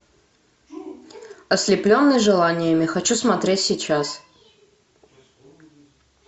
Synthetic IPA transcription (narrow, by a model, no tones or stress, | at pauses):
ɐsʲlʲɪplʲonːɨjʐɨlˠanʲɪjəmʲɪxɐt͡ɕusmɐt̪ɾʲetʲsʲɪt͡ɕas